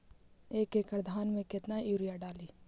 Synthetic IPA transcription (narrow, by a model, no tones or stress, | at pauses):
eːkekəɾd̪ʱaːnmẽkɪt̪najuːɾijaɖaːliː